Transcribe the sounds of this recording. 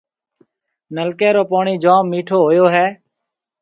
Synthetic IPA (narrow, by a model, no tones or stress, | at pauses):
nəlkɛːɾoːpaːɳiːd͡ʒãːmːiːʈʰoːɦoːjoːɦɛː